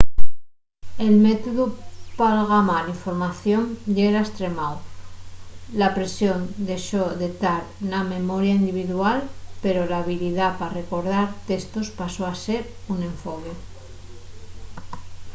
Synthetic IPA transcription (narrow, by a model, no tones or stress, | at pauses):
e̞lmet̪oðupalɣamaliɱfo̞ɾmaθjo̞ŋʎeɾaest̪ɾe̞maw | lapɾe̞sjond̪e̞ʃoðet̪aɾ | name̞mo̞ɾjaind̪iβ̞iðualpe̞ɾo̞laβiliðapare̞ko̞ɾðaɾt̪est̪ospasoase̞ɾunẽ̞ɱfoke